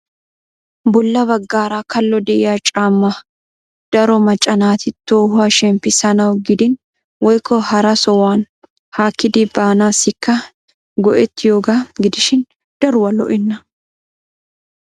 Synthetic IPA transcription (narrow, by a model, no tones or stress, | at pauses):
bʊlːɐβɐɡːaːɾaːkɐlːɔd̪ɛʔɪjat͡ʃʼaːmːɐ | d̪̥ɐɾɔmɐt͡ʃʼɐnaːt̪ɪt̪oːhʊaːʃɛmpːɪsɐnɐwɡɪd̪ɪn | wɔjkʰːɔhɐɾɐsɔwaːn | haːkːɪd̪ɪbaːnaːsɪkːɐ | ɡɔʔɛt̪ːɪjoːɡaːɡɪd̪ɪʃɪn | d̪̥ɐɾʊwɐlɔ̰ʔɪnːɐ